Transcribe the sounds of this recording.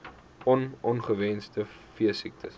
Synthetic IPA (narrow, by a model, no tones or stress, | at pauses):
ɔnɔnχəvɛnstəfiəsik̚tʰəs